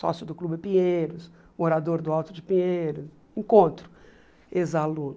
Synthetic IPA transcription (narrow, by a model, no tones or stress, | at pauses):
sɔ̰sjʊd̪ʊklubɪpĩɲeejɾʊs | oɾad̪oɾd̪ʊawt̪ʊd͡ʒɪpĩejɾʊs | ẽkõnt̪ɾʊ | ezalũn